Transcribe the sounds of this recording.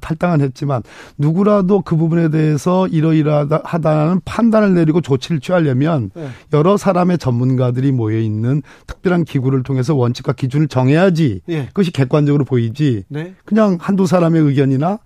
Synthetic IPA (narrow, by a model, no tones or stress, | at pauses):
tʰaɭt͈aŋɯnɦe̞t̚t͡ɕ͈imanːuɡuɾadokɯbubune̞de̞esʰʌiɾʌiɾahadanɯnpʰandanɯɭne̞ɾiɡot͡ɕot͡ɕʰiɾɯɭt͡ɕʰɥiɦaʎjemjʌnjʌɾʌsʰaɾame̞t͡ɕʌmmːunɡadɯɾimoeinːɯntʰɯ̥k̚p͈jʌɾɦankiɡuɾɯɭtʰoŋɦe̞s̬ʰʌwʌnt͡ɕʰi̥kwakid͡ʑunɯɭt͡ɕʌŋɦe̞jad͡ʑikɯɡʌɕʰi̥ke̞k͈wand͡ʑʌɡɯɾopoid͡ʑikɯɲaŋhandos̬ʰaɾame̞ɯɡjʌɲina